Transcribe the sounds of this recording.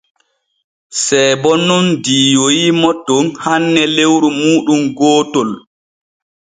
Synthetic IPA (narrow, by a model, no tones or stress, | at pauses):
sɛːbɔnːundiːjojimɔtːɔnhanːɛlewɾumuːɗumɡɔːtɔl